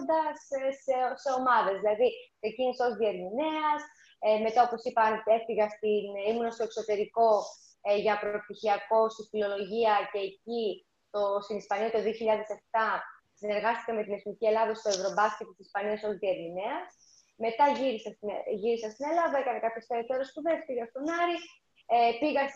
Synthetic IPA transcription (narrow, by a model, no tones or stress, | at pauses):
nd̪ɐssese̞o̞mɐðe̞zðilɐðise̞ciniso̞zðie̞ɾminiɐs | me̞t̪ɐo̞po̞sipɐne̞fiɣɐst̪inimunɐst̪oe̞kso̞t̪e̞ɾiko̞ | ʝɐpɾo̞pt̪içiɐko̞st̪ifilo̞lo̞ʝiɐce̞ːci | t̪o̞st̪inispɐniɐt̪o̞ðio̞çiʎɐðe̞se̞ft̪ɐ | sine̞ɾɣɐst̪i̥kɐme̞t̪inezmicie̞lɐðɐst̪o̞e̞vɾo̞bɐscet̪isispɐniɐso̞zðie̞ɾmineɐs | me̞t̪ɐʝiɾisɐsʝiɾisɐst̪inelɐvɐekɐnekɐpço̞st̪eɾot̪eɾo̞spuðe̞stiɣɐst̪o̞nɐɾi | epiɣɐs